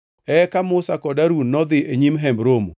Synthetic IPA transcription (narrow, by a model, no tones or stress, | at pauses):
ɛkamʊsakɔdaɾunːɔd̪ɪʔeɲimɦɛmbɾomo̰